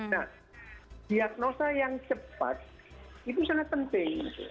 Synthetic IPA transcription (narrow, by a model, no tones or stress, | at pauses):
na | d̪̥iak̚nosajaŋt͡ʃəpa̰t̪̚ | it̪usaŋapənt̪ɪŋit̪ṵ